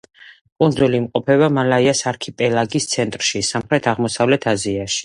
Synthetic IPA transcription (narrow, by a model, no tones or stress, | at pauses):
kʼund̪zuliːmqʼɔpʰɛβamalaiasaɾkʰipʼɛlaɡist̪sʰɛnt̪ʼɾʃisamχɾɛt̪ʰaʁmɔsavlɛt̪ʰaziaʃi̥